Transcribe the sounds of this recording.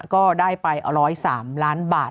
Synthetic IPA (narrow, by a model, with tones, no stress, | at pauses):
kɔː˥˩daː˥˩jpa˧jɾɔː˦˥jsaː˩˦mlaː˦˥nbaː˨˩